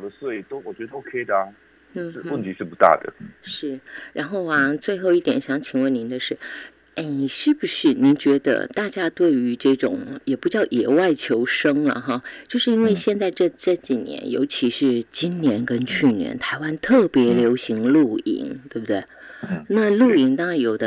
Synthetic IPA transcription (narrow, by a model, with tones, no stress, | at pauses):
d̪ə˦swe˥˩ɪt̪o˥ʊwɔ˨˩t͡ɕɥɛ˧˥d̪ə˧o˥ʊkʰe˥ɪd̪ə˩˨˩ | ʂɻ̩˥˧wə˥˩nt̪ʰi˧˥ʂɻ̩˥˧˩pu˧˥t̪a̰˥˩d̪ə̰˩ʂɻ̩˥˩ɻa˧˥nxo˥˩ʊɐ˩t͡swe˥˧ɪxo˥˧ʊi˥˩t̪jɛ˨˩nɕjɑ˧˥ŋt͡ɕʰi˨˥ŋwə˥˩ni˧˥nd̪ə˧ʂɻ̩˥˩ | e˥˩ɪʂɻ̩˥˩bu˨˩ʂɻ̩˥˩ni˧˥nt͡ɕɥɛ˧˥d̪ə̰˧t̪a˥˩t͡ɕja˥t̪we˥˩ɪy˧˥ʈ͡ʂɤ˥˩ʈ͡ʂʊ̰˨˩˦ŋjɛ˨˩pu˧˥t͡ɕjɑ˥˩ʊʔjɛ˨˩wa˥˩ɪt͡ɕʰjo˧˥ʊʂɤ˥ŋlə̰˨˩xɑ˥˧t͡ɕjo˥˧ʊʂɻ̩˥˩i˥nwe˥˧ɪɕjɛ˥˧nt͡sa˥˧ɪʈ͡ʂɤ˥˧ʈ͡ʂɤ˥˩t͡ɕi˨˩njɛ̰˧˥njo̰˧˥ʊt͡ɕʰi˧˥ʂɻ̩˥˩t͡ɕi˥nnjɛ˧˥nkə˥nt͡ɕʰy˥˩njɛ̰˧˥nt̪ʰa˧˥ɪwa˥nt̪ʰɤ˥˩pjɛ˧˥ljo˧˥ʊɕi˧˥ŋlu˥˩ḭ˧˥ŋt̪we˥˩bə˩d̪we˥˩ɪna˥˧lu˥˩i˧˥ŋt̪ɑ˥ŋa˥˩njo˨˩ʊd̪ə˦